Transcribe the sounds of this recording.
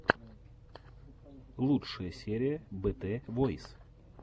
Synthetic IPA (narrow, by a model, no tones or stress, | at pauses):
lˠutʂɨjəsʲeɾʲɪjəbɛt̪ɛvojs